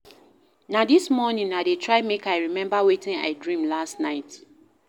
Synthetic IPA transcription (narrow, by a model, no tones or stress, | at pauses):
nadismɔnĩŋaɪdetʰɹaɪmekaɪɹimɛ̃mbawetĩna̰ɪdɹĩmlastnaɪt